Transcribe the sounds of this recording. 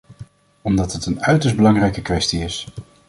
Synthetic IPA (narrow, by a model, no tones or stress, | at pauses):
ɔmdɑtɦətənœɥtəsd̚bəlɑŋrɛjkəkʋɛstiɪs